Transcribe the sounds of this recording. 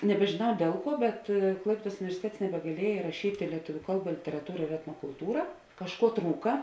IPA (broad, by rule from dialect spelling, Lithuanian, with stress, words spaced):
nʲɛbʲɛʒʲeːˈnɐʊ ˈdʲiɛlˠ ˌkuɔ bʲɛt ˈklˠɐɪpʲiɛdɐs ʊnʲɪʋʲɛrʲsʲɪˈtʲɛts nʲɛbʲɛɡɐˈlʲiɛjɛ ɪrɐˈʃʲiːtʲeː lʲiɛˈtʊʋʲʊ ˈkɐlˠˌbɐ lʲɪtʲɛrɐˈtuːrɐ ɪr ɛtnoːkʊlˠˈtuːrɐ kɐʃˈkuɔ ˈtruːkɐ